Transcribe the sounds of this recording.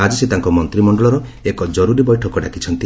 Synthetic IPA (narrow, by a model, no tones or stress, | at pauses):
ad͡ʒiset̪aŋkɔmɔnt̪ɾimɔɳɖɔɭɔɾɔekɔd͡ʒɔɾuɾibɔjʈʰɔkɔɖa̰kit͡ʃʰɔnt̪i